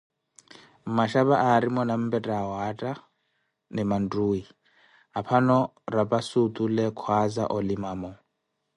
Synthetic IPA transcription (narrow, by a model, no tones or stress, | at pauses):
m̩maʃaβaʔaːɾimɔnam̩bʼɛtʼaɦɔatʼa | nɛman̩tʼuːi | ɦapʰanɔ | rapʼasut̪ʼulɛkʰwaza̰ʔɔlimaːmɔ